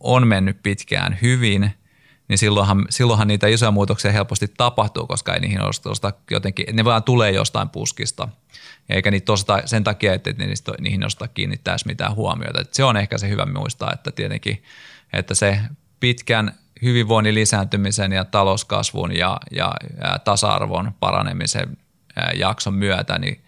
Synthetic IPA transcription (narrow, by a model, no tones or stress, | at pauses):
onmenːyppit̪kæ̰ːnhyʋin | nisilːoihɑmsilːohɑniːt̪æisojɑmuːt̪oksiɑhelpost̪it̪ɑpɑht̪ṵːkoskɑḛinḭːhino̰st̪o̰st̪ɑkjo̰t̪eŋkiʔet̪neʋɑːnt̪uleːjo̰st̪ɑ̰impṵskist̪ɑ | jɑḛikæniːt̪ːost̪ɑsent̪ɑkiɑet̪ːḛt̪nḛnḭːst̪nḭːhino̰st̪ɑkkḭːnːit̪ːæismit̪æ̰ːhuɑmio̰it̪ɑt̪seonehkæsehyʋæ̰mṵist̪ɑ̰ːḛt̪ːæt̪iet̪ḛŋkḭḛt̪ːæse | pit̪kæn | hyʋiʋʋoinilisæːnt̪ymisenjɑt̪ɑloskɑ̰sʋṵnjɑjɑt̪ɑsɑɑ̰rʋo̰npɑ̰rɑ̰nemisḛn | jɑksommyæt̪æ̰nḭ